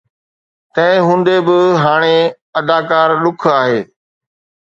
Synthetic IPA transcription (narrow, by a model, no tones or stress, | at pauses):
t̪ɐ̃ɦɪ̃ɦũːn̆d̪ebɪɦaːɽ̃e | ɐd̪aːkaːɾɗʊkʰaːɦeː